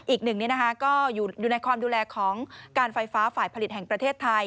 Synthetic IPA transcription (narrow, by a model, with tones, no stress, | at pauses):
ʔiː˨˩k̚nɯ˨˩ŋni˦˥ɐna˦˥kʰa˦˥kɔː˥˩juː˨˩juː˨˩na˧jkʰwaː˧mduː˧lɛː˧kʰɔː˩˦ŋkaː˧nfa˧jfaː˦˥faː˨˩jpʰa˧li˨˩t̪̚hɛ˨˩ŋpɾa˧eː˥˩t̪ʰːa˧j